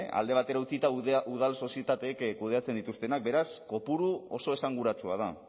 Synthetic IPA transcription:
a̰ld̪e̞β̞at̪e̞ɾaut͡sit̪auð̞also̞sie̞t̪at̪ekkuð̞e̞at͡se̞nd̪it̪ust̪e̞nak̚be̞ɾasko̞puɾuo̞so̞e̞saŋɡuɾat͡sua̰ð̞a

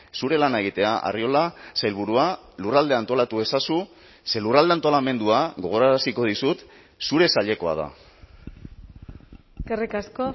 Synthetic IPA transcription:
suɾe̞lanaeɣ̞it̪e̞aʔa̰rio̞lasajlβuɾualurald̪e̞ant̪o̞lat̪ue̞sasu | se̞lurald̪eant̪olame̞nd̪uaɣo̞ɣ̞o̞ɾaɾasiko̞ðisut̪ | suɾe̞saʎe̞ko̞a̰ða̰ | karikasko

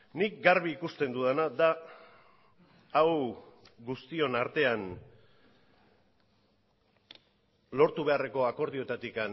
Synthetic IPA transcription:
nik̚ɡaɾβiːkust̪e̞nd̪uðanad̪a | wɡust̪io̞naɾt̪e̞an | lo̞ɾt̪uβe̞are̞ko̞ako̞ɾð̞io̞t̪at̪ikan

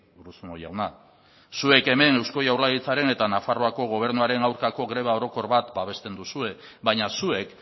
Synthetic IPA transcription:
uɾusunojawna | sue̞ke̞me̞ne̞wsko̞jawɾlaɣit͡saɾe̞ne̞t̪anafaro̞ako̞ɣ̞o̞β̞e̞ɾnuaɾe̞nawɾkako̞ɣɾe̞β̞ao̞ɾo̞ko̞ɾβat̪baβ̞e̞st̪e̞nd̪usue̞ | βajɲasue̞k

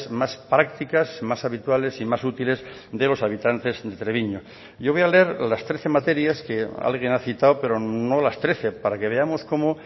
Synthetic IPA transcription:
smaspɾak̚t̪ikasmasaβit̪wale̞simasut̪ilez | d̪e̞lo̞saβ̞it̪ant̪e̞zðe̞t̪ɾeβ̞iɲo | ɟ͡ʝoβo̞jaleeɾlast̪ɾeθe̞mat̪e̞ɾjaskea̰lɣ̞jenaθit̪awpe̞ɾo̞no̞last̪ɾe̞θe̞paɾake̞β̞e̞amo̞sko̞mo

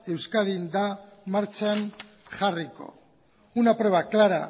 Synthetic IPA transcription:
e̞wskaðind̪amaɾt͡ʃaan | ʝariko̞̰ | unapɾe̞β̞aklaɾa̰

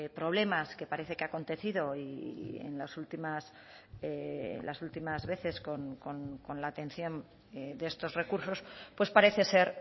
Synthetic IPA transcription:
pɾo̞β̞le̞maske̞paɾeθekeako̞nt̪e̞θiðo̞iḛnlasult̪imas | eḛlʔa̰sult̪imazβe̞θe̞sko̞nko̞nko̞nlaːt̪ẽ̞n̟θjo̞n | ed̪est̪o̞zre̞kuɾso̞spwe̞spaɾe̞θe̞se̞ɾ

